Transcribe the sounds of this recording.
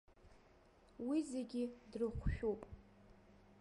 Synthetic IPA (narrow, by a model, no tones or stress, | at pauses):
wizeɡʲidrɨχʷʃᶣupʼ